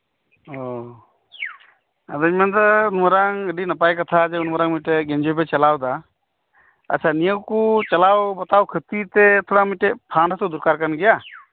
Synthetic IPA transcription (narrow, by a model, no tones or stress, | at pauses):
ɔ | ad̪aiɲmant̪əunməɾaŋəɖinapajkat̪ʰad͡ʒɛunməɾaŋmujʈɛɡɛnd͡ʒɔbɛt͡ʃɛlawd̪a | ə̰t͡ʃʰanijəwkut͡ʃalawbɔt̪awkʰət̪it̪ɛt̪ʰɔɽamujʈɛpʰanʰat̪ɔd̪uɾkaɾkanɡɛja